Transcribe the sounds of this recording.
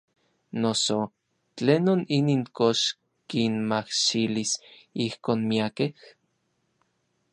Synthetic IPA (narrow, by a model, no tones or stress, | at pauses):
noso | t͡ɬeːnoniniːŋkoʃ | kinmahʃilisihkoːnmiakeh